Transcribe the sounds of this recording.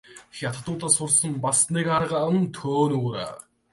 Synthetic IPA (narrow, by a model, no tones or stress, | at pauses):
xʲjat̪ə̥̆t̪ʊːt̪aːsʊrsə̆mpasnikaɾʁaə̆mt̪ʰoːnuːɾa̰ː